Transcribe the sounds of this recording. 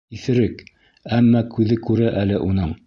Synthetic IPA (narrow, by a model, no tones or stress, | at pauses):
iθɘ̆ɾɘk | æmːɑkʉðɘkʉɾɘʔælɘʔunɤɴ